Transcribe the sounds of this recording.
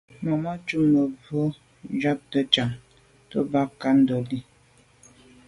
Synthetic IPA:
mɔ˨ma˦t͡ʃu˦mə˨bo˦ | d͡ʒa˦p̚tə˦t͡ʃa˨ŋ | tɔ̰˦ba˦ka˦n̩˦dɔ˨li˦

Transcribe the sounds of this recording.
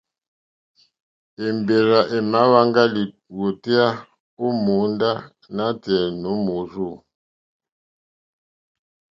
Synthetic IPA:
e˨mbe˨ɾa˨ʔɛ˨ma˦βa˦ŋɡa˦li˨ | wo˨ti˦a˦ | u˦mu˨˦nda˦ | na˦tɛ˨no˨˦mu˨˦ʐu˦˨

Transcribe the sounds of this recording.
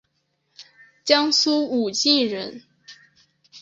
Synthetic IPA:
t͡ɕjɑ˥ŋsu˥u˨˩t͡ɕi˥˩ɻə˧˥n

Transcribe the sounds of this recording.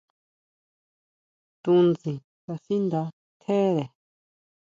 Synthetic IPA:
t̪ũ˧nzĩ˨ | t̪a˧si˦nd̪a˧ | t̪ʰe˦ɾe˨

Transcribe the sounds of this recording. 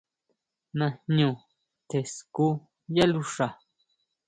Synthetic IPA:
nã˧hɲũ˧˨ | t̪e˨sku˦ | ja˦lu˧ʂa˨

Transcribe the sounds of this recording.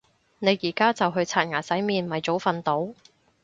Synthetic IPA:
ne˨˧jiː˨˩kaː˥t͡sɐ˨wɦɵ˧ɥt͡sʰaː˧˩ŋaː˨˩sɐ˨˥jmiː˨nmɐ˨jt͡so˨˥wfɐ˨nt̪o˨˥w

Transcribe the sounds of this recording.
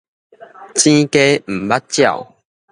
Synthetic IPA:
t͡ɕĩ˦ke˦m̩˨˩ba˦t̚t͡ɕja̰˥˨ʊw

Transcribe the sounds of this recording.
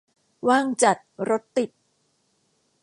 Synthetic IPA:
waː˥˩ŋt͡ɕa˨˩t̪̚ɾo˦˥t̪ːi˨˩t̪̚

